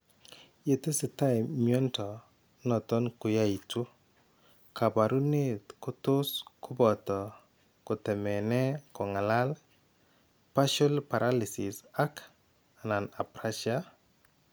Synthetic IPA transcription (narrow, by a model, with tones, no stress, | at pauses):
je˨te˦se˨ta˦jɪmijɔ˦ntɔ˨ | nɔ˨tɔ˦nkʊ˨ja˦i˨tu˦ | ka˨ba˨ɾu˦ne˦tkʊ˦tʊ˦skʰʊ˦bɔ˨tɔ˨ | kʊ˨tɛ˨mɛ˨nɛ˦kɔ˨ŋa˨la˦l | pa˦ʃɔ˦lpa˨ɾʔa˦li˨sɪ̰˨sa˦k | a˨na˨na˨pɾa˦ʃa˦